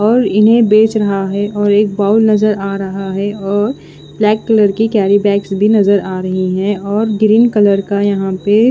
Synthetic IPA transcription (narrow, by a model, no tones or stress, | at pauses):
ɔːɾɪnɦẽbeːt͡ʃɾɐɦaɦɛʔɔːɾeːk̚baːʊlnɐzəɾaːɾɐɦaɦɛɔːɾ | b̥lɛːkːɐləɾkikɛːɾibɛːksbʱinɐzəɾaːɾɐɦiɦɛ̃ɔːɾɡɾiːnkɐləɾkajɐɦãpe